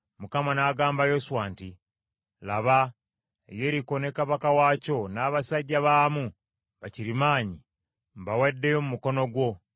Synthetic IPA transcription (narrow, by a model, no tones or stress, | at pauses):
mukamanaːɡaːmbajosuwaːnti | laβa | ḛjeɾiko̞ne̞kaβakawaːco̞naːβasaɟːaβaːmu | βaciɾimaːɲi | mβawedːejo̞mumuko̞no̞ɡwo̞